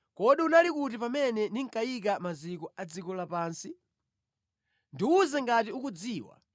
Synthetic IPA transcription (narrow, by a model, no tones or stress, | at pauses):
kɔɗiunalikut̬ipamɛnɛniŋ̩kajik̬amazikɔad͡zikɔlapaːnsi | ndiuzɛŋɡatiukud͡ziːwa̰